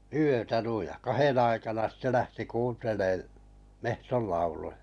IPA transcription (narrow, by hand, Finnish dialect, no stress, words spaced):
yøtæ nuij jɑ̆ kɑhen ɑikɑnɑ sĭtːe læhti kuːnteleː mehtol lɑulujɑ